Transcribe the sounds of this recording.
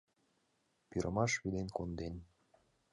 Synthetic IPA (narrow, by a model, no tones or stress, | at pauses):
piɾʔəmɑʃβid̪enkond̪en